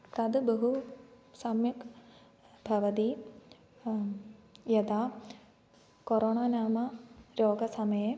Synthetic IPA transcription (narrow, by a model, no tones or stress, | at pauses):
t̪ɐd̪bɐɦu | sɐmjɐk | bʱɐʋɐd̪iː | jɐd̪aː | koɾoːɳaːnaːmɐɾoːɡɐsɐmɐje